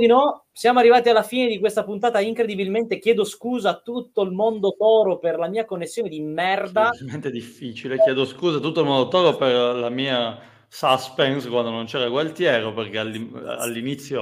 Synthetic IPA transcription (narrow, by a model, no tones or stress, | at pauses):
d̪inɔ | sjaːmoarːivaːt̪ialːafiːned̪ikwest̪apunt̪aːt̪aiŋkɾed̪ibilment̪ekjɛːd̪oskuːzat̪ːut̪ːoilmond̪ot̪ɔːɾoperlamiːakonːesːjoːned̪imːɛrd̪ament̪ed̪ifːit͡ʃilekjɛːd̪oskuːzat̪̬ːut̪ːoilmond̪ot̪ɔːɾoperlamiːa | saspɛnskwand̪onont͡ʃɛːɾaɡwalt̪jɛːɾoperk̟ealːḭa̰lːinit̪sːjo